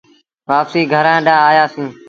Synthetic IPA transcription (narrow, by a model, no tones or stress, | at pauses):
ʋaːpsiːɡʱəɾãːɗãːaːjaːsĩː